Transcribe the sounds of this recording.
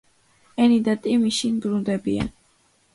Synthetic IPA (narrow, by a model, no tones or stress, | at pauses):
ɛnid̪at̪ʼimiʃinbɾund̪ɛbia̰n